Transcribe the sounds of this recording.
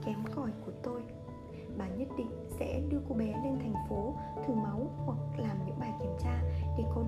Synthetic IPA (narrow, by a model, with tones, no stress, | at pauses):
kɛ˨˦mkɔ˨˧˩jku˧˩ət̪o˧j | ɓaː˨˩ɲə˦˥t̚ɗḭ̈˧˨ŋ̟sɛ̰˧˥ɗɨ˧əko˨˦ɓɛ˨˦le˧nt̪ʰɛ˨˩jŋ̟fo˨˦t̪ʰɨ˧˩ma˨˦whwa˨˩k̚laː˨˩mɲɨ̰˧˥ŋɓaː˧˩jki˧˩əmt͡ɕaː˧ɗe˧˩kɔ˨˦